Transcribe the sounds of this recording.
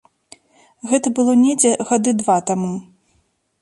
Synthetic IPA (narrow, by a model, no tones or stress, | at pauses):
ɣɛt̪ɐbɨlˠɔnʲɛd͡zʲɛɣad̪ɨd̪vat̪amu